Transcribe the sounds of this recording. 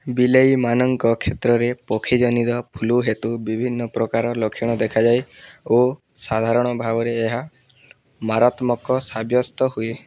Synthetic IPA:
bilejmanɔŋkɔkʰet̪ɾɔɾepɔkʰid͡ʒɔnid̪ɔpʰuluɦet̪ubibʱinːɔpɾɔkaɾɔlokʰiɽ̃ɔd̪ekʰad͡ʒajo | sad̪ʱaɾɔɽ̃ɔbʱaɡɔɾeːɦa | maɾat̪mɔkɔsabjɔst̪ɔɦue

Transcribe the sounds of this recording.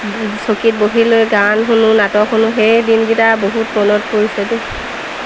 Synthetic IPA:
sokit̚boɦilojɡanɦunʊnatɔkʰunʊɦejdinɡitaboɦutmɔnɔt̚poisɛde

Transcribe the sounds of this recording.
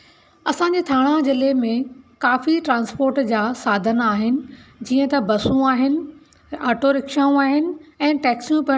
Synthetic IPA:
ɐsãːɲ̆d͡ʑeːt̪ʰaːɽ̃ãd͡ʑɪlemẽkaːfiʈɾãːnspoːɾʈd͡ʑaːsaːd̪ʱənaːɦɪnɪ̆d͡ʑiːə̃t̪ɐbɐsũaːɦɪnɪ̆ | aːʈoɾɪkʃaːũaːɦɪnɪ̆ɛ̃ːʈɛːksjũpɐ

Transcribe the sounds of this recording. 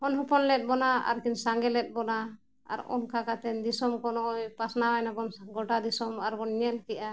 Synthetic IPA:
hɔnɦɔpɔnlɛt̪̚ˀbɔnaa̰ɾkinsaŋɡɛlɛt̪̚ˀbɔna | a̰ɾɔ̰nkakat̪ɛnd̪isɔmkɔnɔɔjpasnawajnapɔnɡɔʈad̪isɔmaɾkɔnɲɛlkɛʔa

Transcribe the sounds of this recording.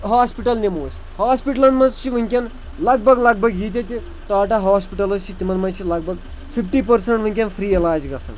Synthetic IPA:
ɦaːspiʈɐlnʲemoːs | haːspiʈɐlɐnmɐnzt͡ʃʰiʋɨŋʲkʲɐn | lɐɡ̚bɐɡlɐɡ̚bʱɐɡɦiːt̪̬ʲɐt̪ʲi | ʈaːʈɐɦaːspiʈɐlɐzt͡ʃʰit̪imɐnmɐnt͡ʃʰilɐɡ̚bʱɐɡ | fʰifʈiːpɐɾsɐɳʈʋɨŋʲkʲɐnfɾiːelaːd͡ʒɡɐsɐ̰n

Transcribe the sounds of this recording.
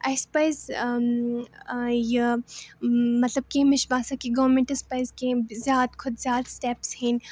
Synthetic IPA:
ɐspɐjz | jɐ | mɐt̪lɐb̚kẽmɪʃbaːsakiɡɐʋɾmẽɳʈɐspɐjzkẽzjaːt̪kʰʊd̪zʲjaːt̪sʈɛːpshĩn

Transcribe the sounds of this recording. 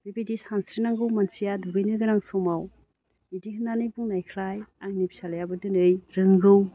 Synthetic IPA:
bibidisansɾinaŋɡɯwmansijadubijnɯɡɯɾaŋsomaw | bidiɦɯnːanɯjbuŋnajkʰɾajaŋnibi̥salajabɯdɯnɯjɾɯŋɡɯw

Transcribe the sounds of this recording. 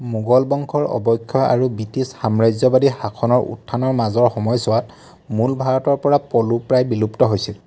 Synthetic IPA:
muɡɔlbɔŋkʰɔɹɔ̰bɔjkʰːjɔa̰ɹubitisxamɹajzɔbadixakʰɔnɔɹʔṵtʰːanɔɹmazɔɹxɔmɔjsɔwat | mulbʱaɹɔtɔɹpɔɹapɔlupɹajbiluptɔɦojsil

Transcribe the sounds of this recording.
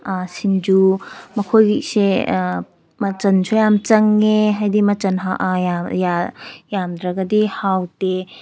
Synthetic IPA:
asind͡ʒumɐkʰojse | mɐt͡ʃɐnsʰojamt͡ʃɐŋːeɦajdimɐt͡ʃɐnɦaajajamd̪ɾɐɡɐdihawte

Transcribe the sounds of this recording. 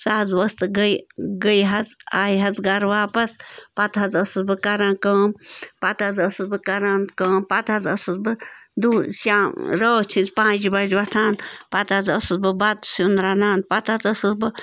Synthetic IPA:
saɦɐzʋɐst̪ɨɡəjɡəjɦɐzaːiɦɐzɡɐɾʋaːpɐspɐt̪ɦɐzɐsɨzbɨkɐɾãːnkəːmpɐt̪ɐzəsɨzbɨkɐɾaːnkəːmpɐt̪ɐzɐsɨzbɨd̪uːsãːɾoːt͡ʃʰinzpãːd͡ʒibɐd͡ʒʋɐt̪ʰaːnpɐt̪azɐsɨzbɨbɐt̪sund̪ɾaːnaːnd̪̚pɐt̪ɐzɐsɨzbɨ

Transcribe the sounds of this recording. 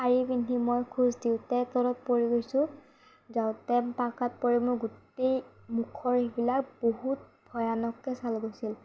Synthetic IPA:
kaɹibindʱimojkʰuzdiʊtɛt̪ɔɾɔt̚poɹiɡojsʊ̃ | zaʊ̃tɛmpakat̚poɹimojɡut | ej | mukʰɔɹibilakboɦut̚bʱɔjanɔkːɛsalɡosil

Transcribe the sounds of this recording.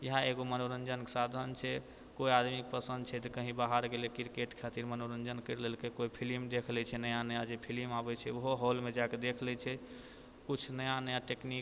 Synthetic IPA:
jəɦãeɡomənoɾənd͡ʒənkesad̪ʱənt͡ʃʰɛ | koiad̪mik̚pəsə̃nd̪̚t͡ʃʰɛt̪ekəɦĩbaɦaɾɡelɛkiɾkeʈkʰat̪iɾmənoɾənd͡ʒənkəɾlelkekoipʰilimd̪ekʰlɛt͡ʃʰɛnəjãnəjad͡ʒepʰilimabɛt͡ʃʰɛuɦoɦolmed͡ʒaked̪ekʰlɛt͡ʃʰɛ | kut͡ʃʰnəjãnəaʈekni

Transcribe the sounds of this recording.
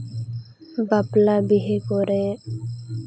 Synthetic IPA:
baplaːbiɦekoːɾẽː

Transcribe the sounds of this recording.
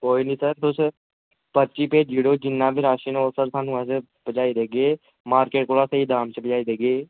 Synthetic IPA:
koːiːnĩsəɾt̪os | pət͡ʃipeːd͡ʒiːɽoːd͡ʒɪnːãːbʱiɾaːʃiːnoːsəɾsaːnũɛ̃se | bəd͡ʒaːid̪eːɡeː | maːɾkeːʈkoːɽaːsəid̪aːmt͡ʃebəd͡ʒaːid̪eːɡeː

